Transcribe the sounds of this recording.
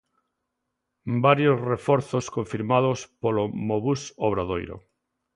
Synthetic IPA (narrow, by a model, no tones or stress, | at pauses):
baɾjozrefɔɾθoskoɱfiɾmaðospolomoβusoβ̞ɾaðojɾo̰